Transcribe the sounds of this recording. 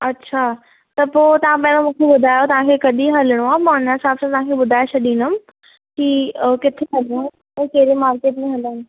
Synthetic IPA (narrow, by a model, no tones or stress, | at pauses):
ɐtːɕʰaː | t̪ɐpoːt̪ɐʋ̤ãpɐ̃ɦɪ̃ɽ̃õmũːkʰeɓʊd̪ʱaːjot̪ɐʋ̤ãkʰekɐɗiɦɐləɽ̃uaːmãʊnasaːbsãt̪ɐʋ̤ãkʰeɓʊd̪ʱaːet͡ɕʰɐɗĩːnəm | kikɪt̪ʰeɦɐl | ɛ̃ːkɐɦɪɾemaːɾkeːʈmẽɦɐlən